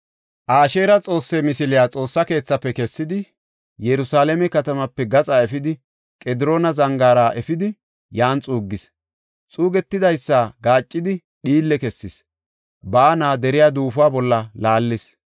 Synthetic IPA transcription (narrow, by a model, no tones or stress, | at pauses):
ʔaːʃe̞ːɾɐt͡sʼo̞ːsːɛmɪsɪlɪjaːt͡sʼo̞ːsːɐke̞ːt͡sːɐpːɛkɛsːɪd̪ɪ | jɛɾʊsaːlɛmɛkɐt̪ɐmɐpːɛɡɐt͡sʼaɛfɪd̪ɪ | kʼɛd̪ɪɾo̞ːnɐzɐŋɡaːɾaʔɛfɪd̪ɪ | jaːnt͡sʼuːɡːɪs | t͡sʼuːɡɛt̪ːɪd̪ɐjsːaɡaːt͡ʃʼːɪd̪ɪ | ɗiːlːɛkɛsːɪs | baːnaːd̪ɛɾɪjaːd̪uːfʊaːbɔlːɐlaːlːɪs